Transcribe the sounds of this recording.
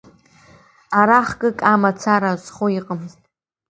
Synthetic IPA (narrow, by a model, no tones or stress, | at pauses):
aɾaχɡʼɨkʼamat͡sʰaɾazχoiqʼəmztʼ